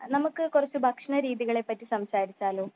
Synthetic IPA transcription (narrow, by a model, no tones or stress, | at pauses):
nɐmukːɨkurɐt͡ɕːubʱɐkʂɐɳɐɾiːðiɣɐɭe̞pːɐtːisɐmsaːɾit͡ɕːaːloː